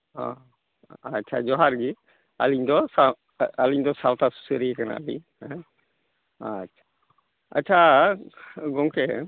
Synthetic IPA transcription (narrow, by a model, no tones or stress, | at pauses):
ɦɔ̰̃ | atːt͡ʃʰa̰d͡ʒɔɦaɾɡi | a̰liɲd̪ɔsa | aliɲd̪ɔsawt̪asu̥səɾikana̰a̰lḭɲhɛ̃ | atːt͡ʃʰḁ | a̰tːt͡ʃʰa | ɡɔŋkɛ